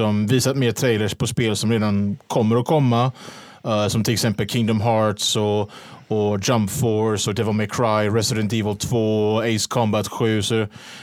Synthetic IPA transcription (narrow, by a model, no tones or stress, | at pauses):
ɔmviːsat̪meːt̪ʰɾeɪləʂpʰɔspeːlsɔmɾeːd̪ankʰɔmːəɾɔkʰɔmːa | sɔmt̪ʰɪlɛksɛmpəlkʰɪŋd̪ɔmɦɑːɾtsɔː | d͡ʒampfɔɹsɔd̪ɛvəlmaɪkʰːɾaɪɾɛsɪd̪ɛnt̪iːvəlt̪ʰv̥oːɔeɪskʰɔmbat̪ɧʉ̟ːsɔ